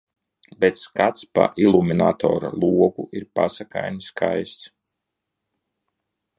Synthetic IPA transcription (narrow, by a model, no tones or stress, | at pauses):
bet̪skat̪spa̰ʔilˠuminat̪ɔ̰ːɾa̰lˠuɔɡuʔiɾpasaka̰jniskʰajst̪s